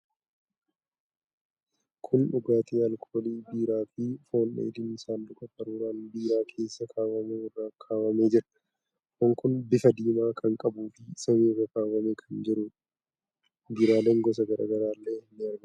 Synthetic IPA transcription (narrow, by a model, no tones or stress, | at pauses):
kʰʊnᶑʊɡaːt̪ʰʼiːɐlkʰoːliːbiːɾaːfɪfo̞ːnᶑḛːlɪmɪsaːndʊkʼɐfʼɐɾuːɾaːnbiːɾaːkʰe̞ːsːɐkʰaːmɐmeːwɐrːaːkʰaːmɐmeːd͡ʒɪɾɐ̥ | hɔŋkʊnbɪfɐd̪iːmaːkʼɐŋkʼɐbuːfɪsɐweːrɐkaːmɐmeːkʰɐnd͡ʒɛɾʊ | biːɾaːleːŋɡɔs̬ɐɡɐɾʔa̰ːɡɐɾaːlːeːɪnːɪɐɾbɐ